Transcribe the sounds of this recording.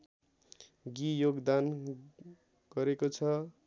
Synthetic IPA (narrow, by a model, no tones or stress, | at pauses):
ɡijoɡd̪an | ɡ̥ʌɾekot͡sʰʌ